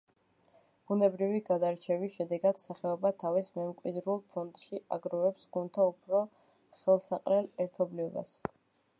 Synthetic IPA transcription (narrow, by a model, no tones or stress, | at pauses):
b̥unɛbɾiviɡad̪aɾt͡ʃʰɛviʃɛd̪ɛɡad̪̥saχɛɔbat̪ʰavismɛmkʼwid̪ɾulˠpʰɔnt̪ʼʃiʔaɡɾɔvɛpsɡunt̪ʰaupʰɾɔ | sɛlˠsaqʼɾɛlˠɛɾt̪ʰɔbliɔba̰s